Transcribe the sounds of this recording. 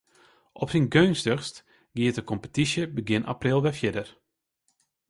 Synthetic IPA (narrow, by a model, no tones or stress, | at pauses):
ʔɔpsinɡøːnstøxst | ɡiətəkɔmpətisjəbəɡjɪnʔa̰prɪlˠʋɛfjɪdər